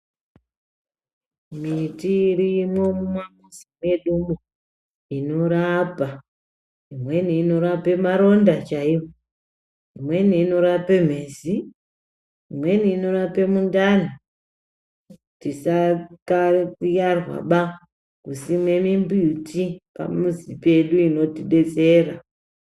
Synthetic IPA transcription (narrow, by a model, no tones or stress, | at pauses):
mitiːɾimo̞mumamuzime̞ɗumo | ino̞ɾapa | imwe̞niːno̞ɾape̞maɾo̞ndat͡ʃaiwo | imwe̞niːno̞ɾape̞m̤e̞ːzi | imwe̞niːno̞ɾape̞mundani | tisakajarwa̰ɓa | kusimwe̞mimbuutipa̰muzipe̞ɗuino̞tiɗe̞t͡se̞ːra